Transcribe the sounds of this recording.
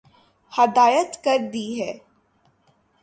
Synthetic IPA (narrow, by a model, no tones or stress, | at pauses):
hɐd̪aːjət̪kəɾd̪iːɦɛː